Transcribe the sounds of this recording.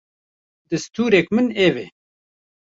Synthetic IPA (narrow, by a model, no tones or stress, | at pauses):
d̪ɨst̪uːɾɛkmɨneːve